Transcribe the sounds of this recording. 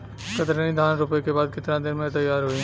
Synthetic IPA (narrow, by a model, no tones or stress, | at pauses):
kɐt̪ɾənĩd̪ʱaːnɾʊpekebaːd̪̚kɪt̪ɾãd̪ɪnmẽt̪ɐjːaːɾɦʊi